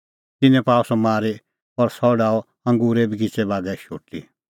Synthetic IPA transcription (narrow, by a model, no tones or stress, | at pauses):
t̪ɪnɛ̃paːɔsɔmaːɾe | pɔɾsɔɖaːɔ | ɐ̃ŋɡuːɾɛbʱiɡit͡sɛbaːɡɛʃoːʈḭ